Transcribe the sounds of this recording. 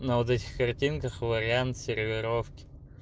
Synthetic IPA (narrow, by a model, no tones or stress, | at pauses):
nɐvot̪̬ɛtʲɪ̥xkɐrtʲinkəxvəɾʲɪant̪sʲɪɾʲvʲɪɾofkʲɪ̥